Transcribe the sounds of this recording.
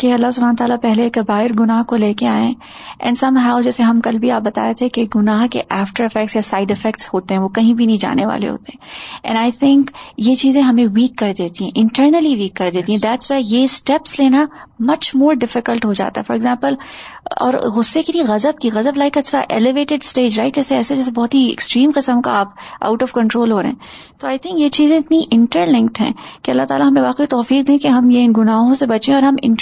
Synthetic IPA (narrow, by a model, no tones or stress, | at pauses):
keɐlːasʊbʱaːnot̪aːlapɛɦlekebaːɦɪɾɡʊnaːɦkoleːkeaːẽ | ʔɛ̰̃nsɐ̃mɦaʊd͡ʒɛːseɦɐ̃mkɐlbʱiaːp̚bɐt̪a̰ːjet̪ʰekeɡʊnaːɦkeʔaːfʈəɾɪfɛk̚ʈsjasaːɪɖɪfɛkʈshoːt̪ẽɦɛ̃ʋokɐɦĩbʱinɐɦĩd͡ʒa̰ːneʋa̰ːlḛɦo̰ːt̪eɦɛ̃ɛ̰̃naːɪt̪ʰɪ̃ŋkjet͡ʃiːzẽɦɐmẽʋiːkːɐɾd̪eːt̪iɦɛ̃ʔɪ̃ɳʈəːɾnəliʋiːkːɐɾd̪eːt̪ĩɦɛ̃d̪æʈswɛːjesʈɛpsleːnamɐt͡ʃmoːɾɖɪfɪkəlʈɦod͡ʒa̰ːt̪a̰ɦɛfɔɾɪɡzãːmpəlɔ̰ːɾɣʊsːekilieɣɐzəb̚kiɣɐzəblaɪkɛt͡ʃɾa̰ʔelɪʋeːʈɪɖsʈeːd͡ʒɾaɪʈɛːseɛːsed͡ʒɛːs̬ebɔːt̪ɦiɛ̰ksʈɾĩːmqɪsəmkaaːpʔa̰ʊʈɔʋkɐ̃ɳʈɾoːlɦoːɾɐ̰ɦɛ̰̃ | t̪oaːɪt̪ʰɪ̃ŋkjet͡ʃiːzẽɪt̪niʔɪ̃ɳʈəɾlɪ̃ŋk̚ʈɦɛ̰̃ːkeɐlːaɦt̪aːlaɦɐmẽʋaːqeit̪ɔːfiːq̚d̪ẽkeɦɐmjeɪnɡʊnaːɦõsebɐt͡ʃẽɔːɾɦɐmɪ̰̃ɳ